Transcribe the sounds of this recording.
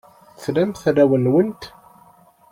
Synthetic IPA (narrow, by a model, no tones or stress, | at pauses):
θlæmθræwənwənt̪